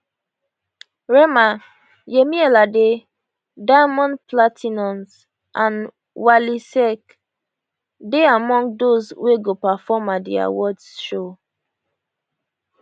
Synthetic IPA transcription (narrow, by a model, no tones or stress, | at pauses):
ɹɛma | jemiɛlade | daɪmɔ̃nplatʰinɔ̃ns | ʔãn | walisɛk | deamɔ̃ŋɡdozweɡopafɔmadḭa̰wɔdsʃo